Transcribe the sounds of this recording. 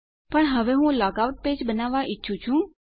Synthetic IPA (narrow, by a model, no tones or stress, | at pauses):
pəɳɦəʋeɦũlaɡawʈ̚peːd͡ʒbənaʋaʔɪtːʃʰũt͡ʃʰũ